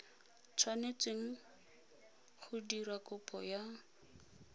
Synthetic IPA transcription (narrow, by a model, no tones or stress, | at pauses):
t͡sʰwanet͡sʼeŋ̩ | χʊdirakʊpʰʼɔja